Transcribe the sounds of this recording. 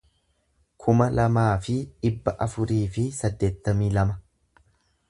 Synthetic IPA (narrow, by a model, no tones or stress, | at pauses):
kʰʊmɐlɐmaːfɪᶑɪbːɐʔɐfʊɾiːfɪsɐd̪ːe̞ːt̪ːɐmiːlɐmɐ